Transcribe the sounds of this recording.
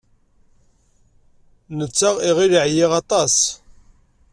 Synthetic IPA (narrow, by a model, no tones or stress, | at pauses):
nət͡sːaʁiʁiɾiʕjiʁɑt̪ˤɑs